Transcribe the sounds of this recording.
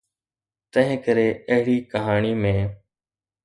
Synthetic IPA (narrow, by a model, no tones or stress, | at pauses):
t̪ə̃ɦɪ̃ːkəɾeːəɦɪɽiːkəɦaːɳiːmẽː